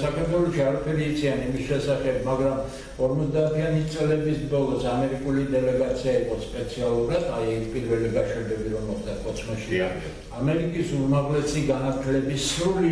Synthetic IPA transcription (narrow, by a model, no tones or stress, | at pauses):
sakʰaɾt̪ʰwɛlˠɔʃiaɾapʰɛɾiːt̪sʰianimisʃɛsaχɛb̚maɡɾam | ɔɾmɔt̪ʰd̪aːt̪ʰianit̪sʼlɛbisbɔlˠɔsamɛɾikʼulid̪ɛlɛɡat̪sʰiaiqʼɔspʼɛt̪sʰialˠuɾad̪ʰajɛpʼiɾvɛliɡaʃɛbɛbiɾɔmmɔχd̪akʼɔt̪sʰmɔʃia | amɛɾikʼisuɾmaʁlɛsiɡanaɾt̪ʰlɛbisːɾuli